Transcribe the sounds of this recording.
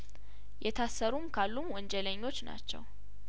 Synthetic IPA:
jɛt̪ʰasːəɾumkʰalːumwɔnd͡ʒɛləɲːo̞t͡ʃːna̰t͡ʃːɛ̰w

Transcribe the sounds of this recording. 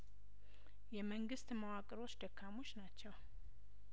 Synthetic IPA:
jɛməŋɡɨst̪məwakʼɨɾo̞t͡ʃːd̪əkʰːamo̞t͡ʃːnat͡ʃːɛw

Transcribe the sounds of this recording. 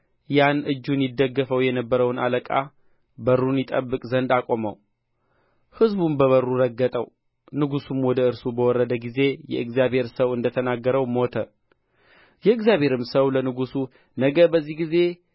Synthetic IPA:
janʔɨd͡ʒːunjɪd̪ːəɡːəfəwjɛnəbːəɾəwna̰ləkʼa̰ | bərːunjɪt̪ʼəbːɨkʼzənd̪akʼo̞mə̰w | hɨzbumbəβərːuɾəɡːət̪ʼəw | nɨɡusumwɔd̪əɨɾsubəwɔɾːəd̪əɡize̞jɛ̰ʔɨɡzijabhe̞ɾsəwɨnd̪ət̪ʰənaɡːəɾəwmot̪ʰə | jɛɨɡzjaβhe̞ɾɨmsəwlənɨɡusu | nəɡəbəzːihɡize̞

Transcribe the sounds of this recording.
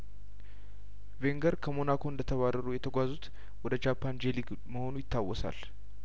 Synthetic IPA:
ve̞ŋɡəɾkʰəmonakʰoɨnd̪ət̪ʰəβarːəɾujɛt̪ʰəɡʷazut̪ | wɔd̪əd͡ʒapʰːand͡ʒe̞lik | məho̞nujɪt̪ʰːawːɔsa̰l

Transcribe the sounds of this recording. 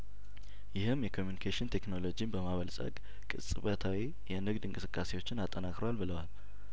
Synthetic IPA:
jɪhɨmjɛkʰo̞mjunikʰaʃɪnt̪ʰe̞kno̞lo̞d͡ʒinbəmaβəlsʼə̰ɡ | kʼɨ̰sʼɨβət̪ʰawi | jɛnɨɡd̪ɨŋkʼɨsɨkʼːase̞wo̞t͡ʃːɪnat̪ʼːənakʼɾowalbɨləwal

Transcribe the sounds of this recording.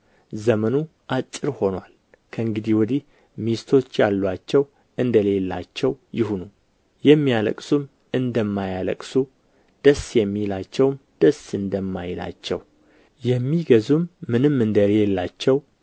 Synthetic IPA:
zəmənuʔat͡ʃʼːɪɾho̞nwal | kʰəɨŋɡɨd̪ihwɔd̪ih | mist̪ʰo̞t͡ʃːjalːwat͡ʃːɛw | ɨnd̪əle̞lːa̰t͡ʃːɛwjɪhunu | jɛmːijalə̰kʼsum | ɨnd̪əmːajalə̰kʼsu | d̪̥əsjɛmːijlat͡ʃːɛwmd̪̥əsɨnd̪əmːajɪla̰t͡ʃːɛ̰w | jɛmːiɡəzumːɨnɨmːɨnd̪əleelːat͡ʃːɛw

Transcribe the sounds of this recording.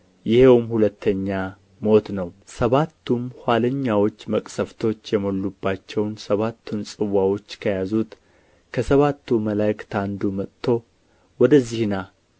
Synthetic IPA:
jɪhewmhulət̪ʰːəɲːa | mo̞t̪nəwsəβat̪ʰːumhʷaləɲːawo̞t͡ʃːməkʼsəft̪ʰo̞t͡ʃːjɛmolːubːat͡ʃːɛwnsəβat̪ʰːunsʼɨwawo̞t͡ʃːkʰəjazut̪ | kʰəsəβat̪ːuməlajkt̪ʰand̪umət̪t̪ʰːo̞ | wɔd̪əzːihna

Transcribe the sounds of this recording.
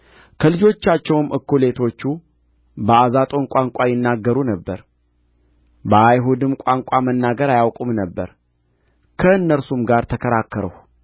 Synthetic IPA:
kʰəlɨd͡ʒo̞t͡ʃːat͡ʃːɛwmʔɨkːole̞t̪ʰo̞t͡ʃːu | bəazat̪ʼo̞nkʷʼaŋkʼajɪnːaɡːəɾunəbːəɾ | bəajɦud̪ɨmkʼaŋkʷʼamənːaɡəɾajawkʷʼumnəbːə̰ɾ | kʰəɨnːəɾsumɡaɾt̪ʰəkʰəɾakːəɾəh

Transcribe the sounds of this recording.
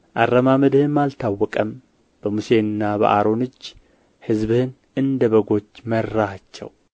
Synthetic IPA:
ʔaɾːəmaməd̪ɨhɨnmalt̪ʰawːɔkʼəm | b̥əmuse̞nɨnːabə̰ʔaɾo̞nɨd͡ʒː | hɨzbhɨn | ɨnd̪əβəɡo̞t͡ʃːməɾːahat͡ʃːɛ̰w

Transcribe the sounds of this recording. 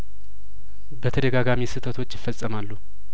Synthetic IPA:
bət̪ʰəd̪əɡaɡamisɨt̪ʰət̪ʰo̞t͡ʃːjɪfːəsʼəmalːu

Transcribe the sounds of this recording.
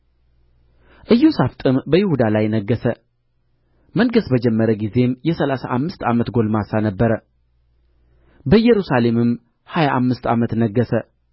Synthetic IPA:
ʔɨjːuusaft̪ʼɨmbəjɪhud̪alajnəɡːəsə | məŋɡəsbəd͡ʒɛmːəɾəɡize̞mjɛsəlasaʔamːɨst̪amət̪ɡo̞lmasanəbːəɾə | bəjːɛɾusale̞mɨm | hajaʔamːɨst̪amət̪nəɡːəsə

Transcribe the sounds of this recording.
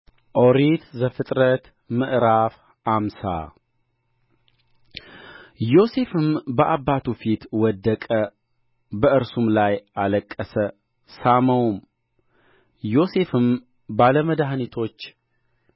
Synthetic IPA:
ʔoɾit̪zəfɨt̪ʼɾət̪ | mɨʔɾaf | amsa̰ | jo̞se̞fɨmbəʔabːat̪ʰufit̪wɔd̪ːəkʼə | bəɨɾsumlajaləkʼːəsə | saməwm | jo̞se̞fɨm | baləməd̪ahanit̪ʰo̞t͡ʃː

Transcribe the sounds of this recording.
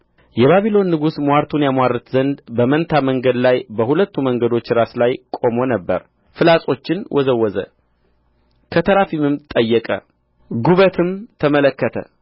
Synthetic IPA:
jɛβaβilo̞nːɨɡusmaɾt̪ʰunjamwaɾɨt̪zənd̪bəmənt̪ʰaməŋɡəd̪lajbəhulət̪ːuməŋɡəd̪o̞t͡ʃːɾaslajkʼo̞mo̞nəbːə̰ɾ | fɨlasʼo̞t͡ʃːɪnwʔɔzəwːɔzə̰ | kʰət̪ʰəɾafimɨmt̪ʼəjːɛkʼə̰ | ɡuβət̪ʰɨmt̪ʰəmələkːət̪ʰə̰

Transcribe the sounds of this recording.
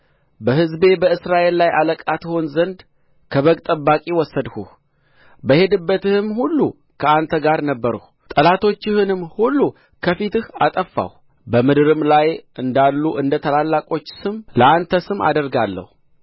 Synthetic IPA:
bəɦɨzbe̞bəɨsɾaʔe̞lːajaləkʼat̪honzənd̪ | kʰəβəkt̪ʼəbːakʼiwɔsːəd̪hṵh | bəhe̞d̪ɨbːət̪ɨhɨmhulːu | kʰəant̪ʰəɡaɾnəbːəɾəh | t̪ʼəlat̪ʰo̞t͡ʃːɪhɨnɨmhulːu | kʰəfit̪ɨhat̪ʼəfːa̰h | bəmɨd̪ɾɨmlajʔɨnd̪alːuʔɨnd̪ət̪ʰəlalːakʼo̞t͡ʃːsɨmləʔant̪ʰəsɨma̰d̪əɾɡalːə̰hu

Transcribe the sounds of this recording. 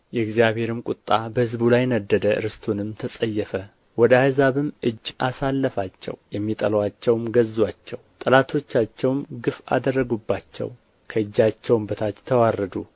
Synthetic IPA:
jɛɪkzijaβhe̞ɾɨmkʼut̪ʼːabəhɨzbulajnəd̪ːəd̪əɨ̰ɾɨst̪ʰunɨmt̪ʰəsʼəjːɛfə | wɔd̪ahɨzaβɨmʔɨd͡ʒːʔasalːəfat͡ʃːɛ̰wjɛmːit̪ʼə̰lwat͡ʃːɛwmɡəzːwat͡ʃːɛwt̪ʼɨlat̪ʰo̞t͡ʃːat͡ʃːɛwmɡɨfa̰d̪ərːəɡubːat͡ʃːɛ̰w | kʰəɨd͡ʒːat͡ʃːɛwmbət̪ʰat̪t̪ʰəwarːəd̪u

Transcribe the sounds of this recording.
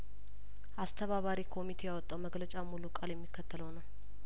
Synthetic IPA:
ʔast̪ʰəβaβaɾikʰo̞mit̪ʰe̞jawɔt̪ʼːawməɡlət͡ʃʼamulukʼaljɛmːikʰːət̪ʰːələwnəw

